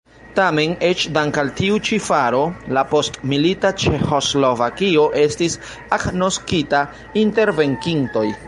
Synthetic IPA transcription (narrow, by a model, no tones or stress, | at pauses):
tame̞ne̞t͡ʃdaŋkaltiut͡ʃifaɾo̞lapo̞stmilitat͡ʃe̞xo̞slo̞vakio̞ʔe̞stis | akno̞skita | inte̞ɾve̞ŋkiŋto̞j